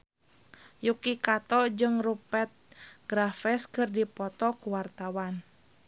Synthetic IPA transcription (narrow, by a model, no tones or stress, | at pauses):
jukikat̪ɔd͡ʒɨŋrupɛt̪̚ɡ̥ɾafɛskɨrdipɔt̪ɔkuwart̪awan